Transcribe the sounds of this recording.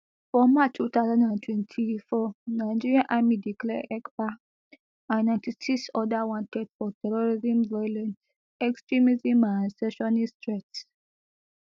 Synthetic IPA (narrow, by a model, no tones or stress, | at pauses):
fɹɔmːat͡ʃtut̪aʊzãndãntʰwɛ̃ntʰifɔnaɪd͡ʒiɹiãnʔamidiklɛ̰ʔɛkpa | ãnnãɪ̃ntisiksɔdawɔ̃ntɛd̥fɔtʰɛɹɔɹizĩmvɔjɔlɛ̃n | ɛkstɹimizĩmãnsɛʃɔnistɹɛt